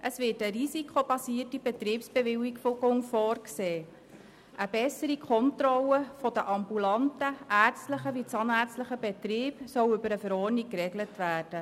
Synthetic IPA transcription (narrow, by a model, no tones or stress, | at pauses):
ʔəsvɪːtəɾisikχob̥ɑsiːərtibɛt̪ɾiːpsb̥eʋɪwiɡfoɡʊŋfɔːrkseː | ʔəbɛsəɾikʰɔntrɔləfɔd̥̪əʔɑmbulɑntəʔært͡stləχəʋit͡sɑnæːt͡sstləχəbɛtɾiːbsœwʏbəɾəfəɾɔːɾnikrɛɡlətvæːrd̥ə